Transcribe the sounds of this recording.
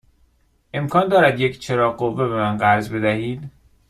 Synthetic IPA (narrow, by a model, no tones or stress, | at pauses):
ʔe̞mkʰɒːnd̪ɒːɾæd̪ject͡ʃʰe̞ɾɒːɢovːe̞be̞mænɢæɾzbe̞d̪æhiːd̪̥